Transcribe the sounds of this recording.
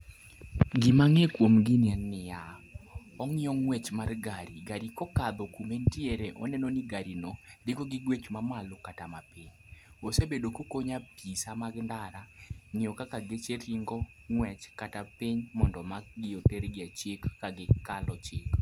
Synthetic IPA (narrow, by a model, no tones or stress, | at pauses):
ɡɪmaŋekwomɡɪnɪannɪja | ɔŋɪɔŋwɛt͡ʃmarɡaɾiɡaɾikɔkad̪ɔkumentieɾeʔɔ̰nɛnoniɡaɾinɔdɪɡɔɡɪɡwet͡ʃmamalokatamapiɲ | osebedokokoɲapisamaɡndaɾanɪɔkakaɡet͡ʃeɾiŋɡɔ | ŋwɛt͡ʃkatapiɲmɔndɔmak̚ɡɪoteɾɡɪat͡ʃekːaɡɪkalɔt͡ʃek